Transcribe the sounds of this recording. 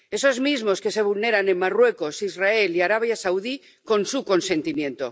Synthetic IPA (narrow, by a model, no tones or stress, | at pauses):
e̞so̞zmizmo̞ske̞se̞β̞ulne̞ɾane̞mmarwe̞ko̞sizrae̞liaɾaβ̞jasawði | ko̞nsuko̞nse̞nt̪imjẽ̞nt̪o̞̰